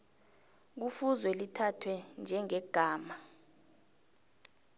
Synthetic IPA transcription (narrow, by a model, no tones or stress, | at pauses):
k̬ufuzwɛlitʰatʰwɛnd͡ʒʱɛŋɛɡ̥ʱaːma